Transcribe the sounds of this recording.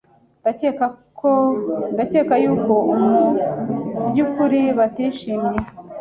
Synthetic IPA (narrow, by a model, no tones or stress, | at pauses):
daekkondace̞ːkajuːko̞ʔumu | bɟukuɾiβatiʃiːmɲe